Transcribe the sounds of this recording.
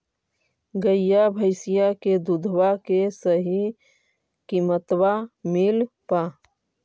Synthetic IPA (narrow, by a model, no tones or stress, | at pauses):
ɡəjjabʱəɪsɪjaked̪ud̪ʱwakesəɦi | kimət̪wamɪl | pa